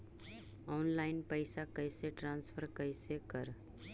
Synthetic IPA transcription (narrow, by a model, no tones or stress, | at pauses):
ɔnlaɪnpəɪsakəjseʈɾãnspʰəɾkəjsekəɾ